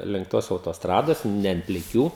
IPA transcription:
lʲɪŋk ˈtoːs ɐʊtoːsˈtrɑːdoːs nʲɛ ɐnt pʲlʲɪˈkʲuː

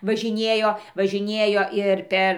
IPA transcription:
ʋɐʒʲɪˈnʲiɛjoː ʋɐʒʲɪˈnʲiɛjoː ɪr ˈpʲɛr

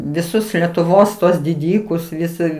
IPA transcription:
ʋʲɪˈsʊs lʲɛtʊˈʋoːs tuɔs dʲɪˈdʲiːkʊs ʋʲɪˈsʲɪ

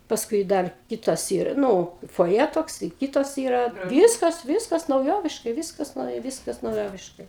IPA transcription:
ˈpɑːskʊɪ ˈdɐr ˈkʲɪtɐs ˈiːrɐ ˈnʊ foːˈjɛ toːkˈsɐɪ ˈkʲiːtɐs ˈiːrɐ ˈʋʲiːskɐs ˈʋʲiːskɐs nɐʊˈjoːʋʲɪʃkɐɪ ˈʋʲiːskɐs ˈnɐʊjɛ ˈʋʲiːskɐs nɐʊˈjoːʋʲɪʃkɐɪ

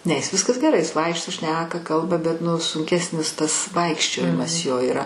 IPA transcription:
nʲɛ jɪs ˈʋʲɪskɐs ɡʲɛˈrɐɪ ˈjɪs ˈʋɐɪkʃtoː ˈʃʲnʲæːkɐ ˈkɐlˠbɐ bʲɛt ˈnʊ sʊŋʲˈkʲæːsʲnʲɪs ˈtɐs ˈʋɐɪkʃʲt͡ʃʲoːjɪmɐs ˈjoː iːˈrɐ

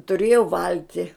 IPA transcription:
tʊˈrʲeːjʊ ˈʋɐlʲtʲɪ

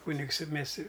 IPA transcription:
ˈkuːnʲɪks ɪ ˈmʲeːs ɪ

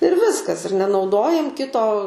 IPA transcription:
ɪr ˈʋʲɪskɐs ɪr nʲɛnɐʊˈdoːjɛm ˈkʲɪtoː

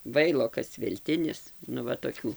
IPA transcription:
ˈʋɐɪlˠoːkɐs ʋʲɛlʲˈtʲɪnʲɪs nʊ ˈʋɐ toːˈkʲuː

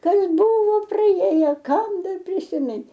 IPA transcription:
ˈkɐs ˈbʊʋoː prɐˈjeːjoː ˈkɐm ˈdɐr pʲrʲɪsʲɪˈmʲɪn

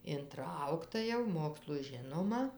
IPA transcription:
ɪnˈtrɐʊktɐ jɛʊ ˈmoːkslˠʊ ˈʒʲɪnoːmɐ

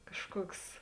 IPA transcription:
ˈkɑːʃˌkuɔks

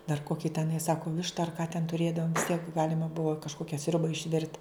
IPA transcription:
dɐr ˈkoːkʲɪ tʲɛˈnɐɪ ˈsɑːkoː ˈʋʲɪʃtɐ ɐr kɐ tʲɛn tʊˈrʲeːdɐʋoːm ʋʲɪsʲˈtʲiɛk ˈɡɑːlʲɪmɐ ˈbʊʋoː kɐʃˈkoːkʲɛ ˈsʲrʲʊbɐ ɪʃʲˈʋʲɪrt

